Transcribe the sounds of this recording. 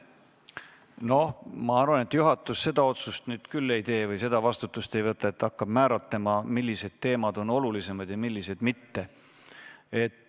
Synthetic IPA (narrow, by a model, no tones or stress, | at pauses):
no̞hmɑɑrvɑne̞t̪juɦɑt̪ːˑusse̞d̪ɑo̞t̪sust̪nyːd̪̥kylːe̞jt̪e̞ːvɤjse̞d̪ɑvɑst̪ut̪ːˑust̪e̞jvɤt̪ːˑɑet̪ːɑkːɑb̥mæːɾɑt̪lemɑmilːise̞d̪̥̚t̪e̞ːmɑd̪̥o̞no̞lulise̞mɑd̪̥jɑmilːise̞d̪̥mit̪ːe̞ | e̞t̪ː